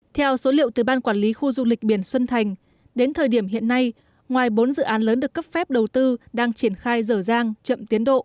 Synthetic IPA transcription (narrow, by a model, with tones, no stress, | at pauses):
t̪ʰɛ˧wso˨˦lḭ˧˨ə˨wt̪ɨ˨˩ɓaː˧nkwaː˧˩nli˨˦xu˧zʊ˧ŋ͡mli˨˩k̚ɓi˧˩ənswə˧nt̪ʰa˨˩jŋ̟ | ɗe˨˦nt̪ʰəː˨˩jɗi˧˩əmɦḭ˧˨ənːa˧j | ŋwaː˨˩jɓo˨˦nzɨ̰˧˨ʔaː˨˦nləː˨˦nɗɨ˨˩əkːə˦˥p̚fɛ˦˥p̚ɗə˨˩wt̪ɨ˧ɗaː˧ŋt͡ɕi˧˩ənxaː˧jzəː˧˩zaː˧ŋt͡ɕə̰˧˨mt̪i˨˦ənɗo̰˧˨ʔ